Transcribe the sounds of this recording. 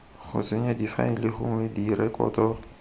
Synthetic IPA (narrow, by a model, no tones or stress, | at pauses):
χʊ̰t͡sɪɲadifa̰ɪlɪχʊ̰ŋwɛdirɛkɔ̰ːtɔ